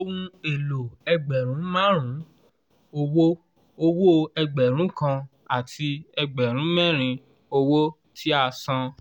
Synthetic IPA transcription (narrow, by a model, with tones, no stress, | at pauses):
o˦˧wũ˦˧e˨lo˨ɛ˧ɡ͡bɛ˨ɾ̃ũ˨˦mã˦ɾ̃ũ˨˦ | o˧wo˦ | o˧wo˦ɛ˧ɡ͡bɛ˨ɾ̃ũ˨˦kã˧ | a˨ti˧ɛ˧ɡ͡bɛ˨ɾ̃ũ˨˦mɛ̃˦˨ɾ̃ĩ˧ | o˧wo˦ | tʰi˦a˦˨sã˧